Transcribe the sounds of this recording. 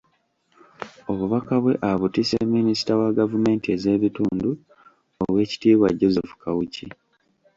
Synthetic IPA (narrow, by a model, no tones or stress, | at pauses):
o̞βuβakaβwe̞ʔaβutisemːinisi̥tawaɡavume̞ːntie̞ze̞ːβituːndu | oβwe̞ːci̥tiːβwaɟo̞zefu̥kʰawuci